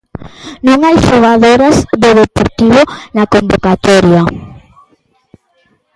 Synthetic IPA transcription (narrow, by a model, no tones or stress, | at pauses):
nõŋajʃoɣaðoɾɐzd̪oðepoɾt̪iβonɐkombokat̪ɔɾjɐ